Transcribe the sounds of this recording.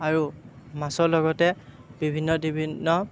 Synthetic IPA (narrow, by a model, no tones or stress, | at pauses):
aɹu | masɔɹlɔɡɔtɛ | b̥ibʱinːɔdibʱinːɔ